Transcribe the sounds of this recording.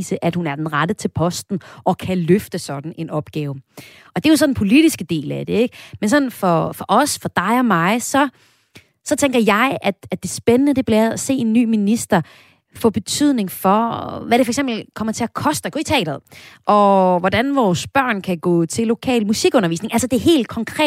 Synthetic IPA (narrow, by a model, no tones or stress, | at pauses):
səʔæd̥hunæɐd̥enʁad̥ət͡sʰe̝lpʰɒ̽sd̥n̩ʔɒ̽kʰæløfd̥əsɒ̽d̥n̩e̝nɒ̽b̥ɡ̥ɛːʊ | ʔɒ̽d̥e̝jos̬ɒ̽nn̩pʰo̝liɾ̥isɡ̥əd̥e̝̰ːlæd̥e̝eɡ̥mensɒ̽nn̩fɒfɒ̽ʔɒ̽sfɒ̽d̥ɑ̈ɪɒ̽mɑ̈ɪsɒ̽ | sɒ̽t͡sʰeŋɡ̥ɐjɑ̈ɪʔæd̥æd̥e̝sb̥enənəd̥e̝b̥lɛð̩ˠæse̝̰ːe̝nːy̰ːminisd̥ɐ | fɒ̰ːb̥e̝t͡sʰyð̞̰ˠne̝ŋfɒ̽ʋæɾ̥efɒeɡ̥semb̥l̩kʰɒ̽mɐt͡sʰe̝ɐkʰɒ̽sd̥ɐɡɔ̰it͡sʰɛ̰ːd̥ɐð̩ˠʔɒ̽ʋɒdænʋɒːsb̥ɶɐ̰nkʰæɡ̥ɔ̰ːt͡sʰe̝lːo̝kʰɛ̰ːlmusiɡ̥ɔ̽nɐʋḭːsne̝ŋʔælsɐd̥e̝ɐɦe̝̰ːld̥kʰɒ̽ŋkʰʁɛ̰̥ː